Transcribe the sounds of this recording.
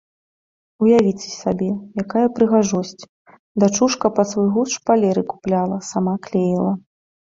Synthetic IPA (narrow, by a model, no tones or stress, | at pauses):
ujavʲit͡sʲɛ̥sʲabʲɛjakajɐpɾɨɣaʐɔsʲt͡sʲ | d̪at͡ʂuʂkɐpɐsvujɣuʂpalʲɛɾɨku̥plʲalˠɐsamaklʲejilˠɐ